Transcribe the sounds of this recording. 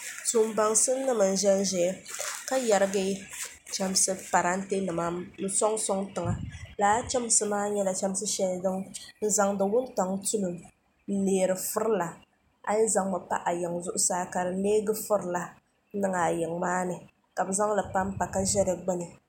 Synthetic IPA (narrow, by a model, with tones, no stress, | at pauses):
sʊ˨m˦ba˨ŋsɨ˦nɨ˦mɨ˨n̩˨ʒɛ˦n˦ʒɛ˨˦ka˦ja˨ɾɨ˦ɡɨ˦ | t͡ʃɛ˦m˦sɨ˦pa˨ɾa˦n̩˦te˦nɨ˨ma˨˦nɨ˨sɔ˦ŋsɔ˦ŋtɨ˨ŋa˨laː˨˦t͡ʃɛ˦m˦sɨ˨maː˦ɲɛ˦la˨t͡ʃɛ˦m˦sɨ˦ʃɛ˦n˨dɨ˦ŋn̩˨za˨ŋdɨ˨wʊ˦n˦tɔ˨ŋtu˦lʊ˨m | n̩˦neː˨ɾɨ˨fʊ˦ɾla˨ | a̰˦ɲɪ˦za˨ŋma˨pa̰˦ʔa˨jɪ˨ŋzʊ˦ʔʊ˦saː˦ka˨ɾɨ˨˦leː˦ɡɨ˦fʊ˦ɾla˨˦ | nɨ˦ŋa˨jɪ˨ŋmaː˦nɨ˨ | ka˨bɨ˨za˦ŋ˦la˨pa˦m˦pa˨ka˦ʒɛ˦ɾɨ˨ɡ͡bɨ˦nɨ˨